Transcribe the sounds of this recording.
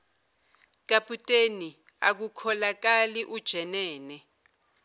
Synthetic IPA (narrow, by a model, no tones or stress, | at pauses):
k̬apʰʼutʼeni | a̰k̬ukʰɔlak̬aliʔud̥ʒ̥ʱɛnɛːnɛ